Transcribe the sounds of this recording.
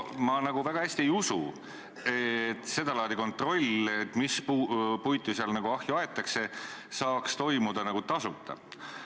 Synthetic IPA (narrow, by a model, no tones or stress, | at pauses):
mɑnɑɡuvæɡ̥ɑhæsʲt̪iejusṵ | et̪ːˑse̞d̪̥ɑlɑːd̪iko̞nt̪ˑro̞lʲet̪ːˑmispupujt̪ˑːuseɑlnɑɡ̥uɑhjuɑet̪ːˑɑkse̞sɑːkst̪o̞jmud̪̥ɑnɑɡut̪ɑsut̪ːˑɑ̰